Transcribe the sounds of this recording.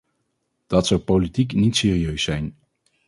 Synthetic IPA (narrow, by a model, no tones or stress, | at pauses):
d̥ɑtsɑwpolitiknitsɪːriøɥsɛjn